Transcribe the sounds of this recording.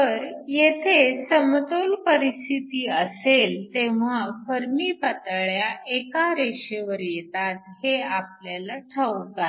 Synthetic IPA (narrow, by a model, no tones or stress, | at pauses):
t̪əɾjet̪ʰesəmt̪olpəɾist̪ʰit̪iːəselt̪eʋ̤afəɾmiːpət̪ɭjaʔekaɾeɕeʋəɾjet̪at̪heapljalaʈʰəwɡ̪a